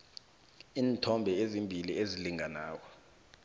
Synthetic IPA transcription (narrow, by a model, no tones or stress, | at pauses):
iːntʰɔmbʱɛezimbʱilieziliŋanaːk̬ɔ